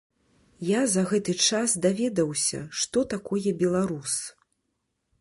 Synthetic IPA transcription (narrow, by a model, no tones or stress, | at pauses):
jazɐɣɛt̪ɨt͡ʂasd̪avʲɛd̪ɐwsʲɐ̰ʂt̪ɔt̪akɔjɛbʲɛlˠaɾus